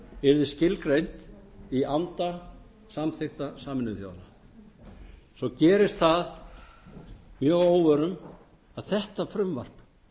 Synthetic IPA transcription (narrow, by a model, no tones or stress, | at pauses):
ɛɾðɪscɪlkɾejnt̪iant̪a | samθɪxt̪asaːmɪnʏθjo̰wðla̰ | sɔcɛːɾɪst̪θað | mjœːɣoːwvœːɾʏn | aðθɛht̪afɾʏmva̰r̥p